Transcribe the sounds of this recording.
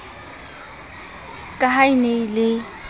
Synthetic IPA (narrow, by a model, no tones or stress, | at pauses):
kʼaɦaineilɪ